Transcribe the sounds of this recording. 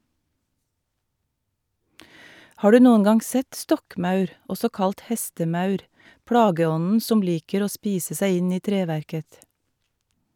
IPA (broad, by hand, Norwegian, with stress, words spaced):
ˈhɑː ˈɖʉː ˈnuːən ˈɡɑŋ ˈsɛt ˈstɔkˌmɑʉɾ ˈɔsɔ ˈkɑlʈ ˈhɛstəˌmɑʉɾ ˈpɽɑːɡəˌɔnn̩ ˈsɔm ˈliːkəɾ ˈoː ˈspiːsə ˈsæɪ ˈɪn ˈiː ˈtɾeːʋæɾkəθ